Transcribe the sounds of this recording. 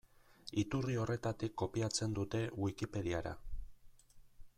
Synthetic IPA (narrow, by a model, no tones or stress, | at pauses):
it̪urio̞re̞t̪at̪ikːo̞piat͡se̞nd̪ut̪e̞wikipe̞ðiaɾa̰